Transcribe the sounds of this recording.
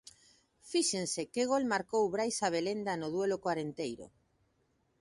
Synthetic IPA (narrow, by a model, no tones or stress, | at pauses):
fiʃensekeɣ̞olmaɾkowβɾajsaβ̞elend̪anoðwelokwaɾent̪ejɾo̰